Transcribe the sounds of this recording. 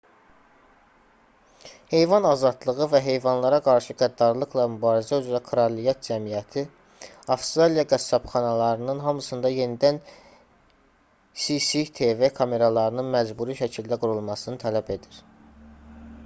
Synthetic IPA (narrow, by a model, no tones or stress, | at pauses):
he̞jvɑnɑzɑd̪lˠɯɣɯvæɦe̞jvɑnlˠɑɾɑɡɑɾʃɯɡæd̪ːɑɾlˠɯqlˠɑmybɑːɾizæyzɾækʰɾɑlijɑt̪̚d͡ʒæmijæt̪ʰi | ɑfst̪ɾɑlijɑɡæsːɑpχɑnɑlˠɑɾɯnɯnɦɑmɯsɯnd̪ɑje̞nid̪æn | sisit̪ʰe̞vekʰɑme̞ɾɑlˠɑɾɯnɯnmæzbuɾiʃæcʰild̪æɡuɾulˠmɑsɯnɯt̪ʰælæbe̞d̪iɾ̥